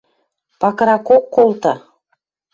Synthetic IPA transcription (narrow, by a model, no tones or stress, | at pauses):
pɑkɾɑkokːolt̪ɑ